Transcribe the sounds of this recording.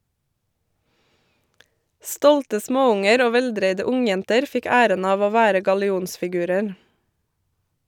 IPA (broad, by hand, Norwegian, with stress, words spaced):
ˈstɔltə ˈsmoːˌʊŋəɾ ˈoː ˈʋɛlˌdɾeɪdə ˈʊŋˌjɛntəɾ ˈfɪk ˈæːɾən ˈɑːʋ ˈoː ˈʋæːɾə ɡɑlɪˈuːnsfɪˌɡʉːɾəɾ